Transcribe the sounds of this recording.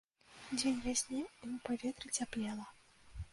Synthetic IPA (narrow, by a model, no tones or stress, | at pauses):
d͡zʲenʲvʲasʲnʲiipavʲɛt̪ɾɨt͡sʲaplʲɛlˠɐ